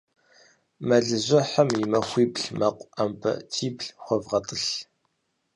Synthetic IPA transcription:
mɐɮɨzʷɐħamjɪmɐxʷiːbɬmɐqʷʼɐmpʰɐ̰tʰiːpɬχʷɔvʁɐtʼəɬ

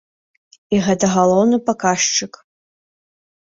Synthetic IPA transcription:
iʁɛtʰɐʁɐlˠownɨpɐkaːʂʈ͡ʂɨkʼ

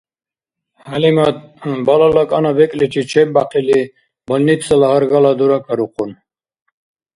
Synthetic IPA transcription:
halimat̪balalakʼanavɛkʼlit̪ʰit͡ʃʰɛk̚baqʰili | bəlnipsəlaɦəɾɡalad̪uɾakʰʼaɾuqʰʼun

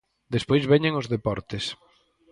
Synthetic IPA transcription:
d̪espojzβɛɲeŋʊzðepɔɾt̪es

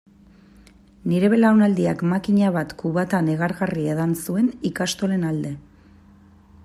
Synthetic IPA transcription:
niɾe̞βe̞lawnald̪iakmakiɲaβ̞at̪kuβat̪ane̞ɣaɾɣarieðansue̞nikast̪o̞le̞nald̪e̞

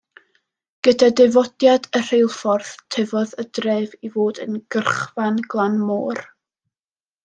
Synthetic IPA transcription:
ɡ̥ədadɨvɔd̥jadər̥ejlˠfɔrθtʰɪvɔðədreːvivoːdə̰nɡ̥ərχvanɡlˠanmoːr

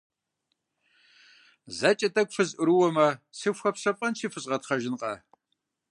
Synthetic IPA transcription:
zat͡ʃʼɐtʼɐkʷfɨzʔɨɾɨwɔmɐsɨɕʷxɐpsɐpʼɐnt͡ʃʰiːfɨɕʼʁɐtχɐʒɪnqʼɐ̰

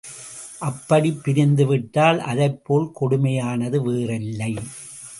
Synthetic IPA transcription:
ʔɐpːɐɽipːɪɾɪnd̪ɯʋɪʈːaːlʔɐ̰ðɐɪpːoːlkɔɽʊmɐjaːnɐðɯʋeːrɪlːɐɪ

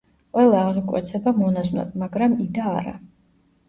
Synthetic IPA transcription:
qʼwɛlˠaːʁikʼwɛ̰t̪sʰɛbamɔnaznɔ̰bmaɡɾamid̪aːɾa̰

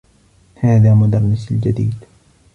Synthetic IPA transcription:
haːðaːmʊd̪ɑɾˤːɪsɪld͡ʒad̪iːd̪

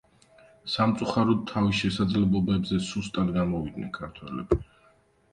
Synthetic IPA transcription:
samt̪sʼuχaɾɔd̪̚t̪ʰːavisʃɛsad̪zlɛblˠɔbɛbzɛsust̪ʼad̪ɡamɔvid̪̚nɛ̰nkʰaɾt̪ʰwɛlɛ̰bi

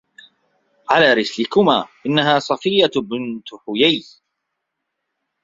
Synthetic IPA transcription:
ʕalaːɾɪslɪkʊmaːʔɪnːaɦaːsˤɑfɪjːabɪnt̪ʊħʊjaj

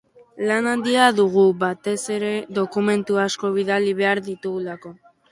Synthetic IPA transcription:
lanand̪iaðuɣuβat̪e̞se̞ɾe̞ðo̞kume̞nt̪uasko̞β̞iðaliβ̞e̞aɾðit̪uɣulako̞

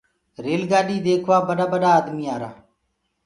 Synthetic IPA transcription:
ɾeːlɡaːɗiːd̪eːkʰʋaːbəɗaːbəɗaːd̪miːaːɾa̰ː

